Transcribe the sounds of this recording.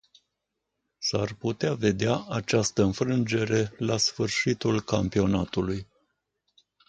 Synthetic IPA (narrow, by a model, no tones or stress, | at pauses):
sarput̪eave̞d̪eaʔat͡ʃast̪əɨnfɾɨnd͡ʒe̞ɾe̞lasfɨrʃit̪ulkampio̞nat̪uluj